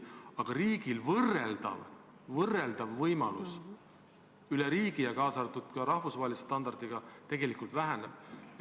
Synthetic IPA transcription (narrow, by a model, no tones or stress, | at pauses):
ɑɡ̥ɑɾiːɡ̥ilvɤrːeld̪̥ɑ̰v | vɤreld̪̥ɑvːɤjmɑlṵs | yleɾiːɡ̥ijɑkɑːsɑt̪ut̪kɑɾɑhvusvɑɦelise̥st̪ɑnd̪̥ɑrd̪̥iɡ̥ɑt̪e̞ɡ̥e̞likˑult̪væɦænḛb̥